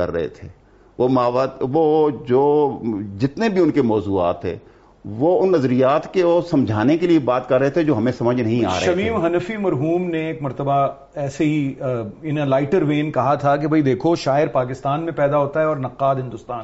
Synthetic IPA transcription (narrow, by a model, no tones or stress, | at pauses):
kɐ̰ɾːɐ̰ɦḛt̪ʰḛː | ʋomaːʋaːʋoːd͡ʒoːd͡ʒɪt̪nebʱiʊnkemɔːzuːa̰ːt̪ɦɛ̰ː | ʋoːʊnːɐzɾijaːt̪keɔːsɐ̃md͡ʒʱaːnekeliebaːt̪kɐɾːɐɦet̪ʰed͡ʒoːɦɐmẽsɐməd͡ʒʱnɐɦĩa̰ːʃːɾɐɦɐmiːmɦɐnəfimɐɾɦuːmneeːkmɐɾt̪əba | ɛːseɦiɪnelaːɪʈəɾʋeːnkɐɦat̪ʰak̬ebʱɐid̪eːkʰoʃaːɪɾpaːk̬ɪst̪aːnmẽpɛːd̪aɦoːt̪aɦɛɔːɾnɐqːaːd̪ɦɪ̃nd̪ʊst̪aːn